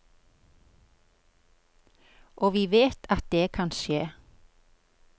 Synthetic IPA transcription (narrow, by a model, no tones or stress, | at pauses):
ʔoːʋiːʋeːt̪ʰɑt̪̚d̪eːkʰɑnʃeː